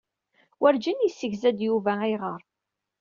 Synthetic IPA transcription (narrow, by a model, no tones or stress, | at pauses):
wʔæɾd͡ʒinjisːəʝzæd̪juvæiʁəɾˤ